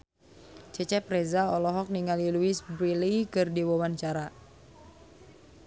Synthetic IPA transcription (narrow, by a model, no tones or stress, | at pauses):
t͡ʃɛt͡ʃɛpɾɛzaɔlɔɦɔk̚niŋaliluisbɾilikɨrdiwɔwaɲt͡ʃaɾa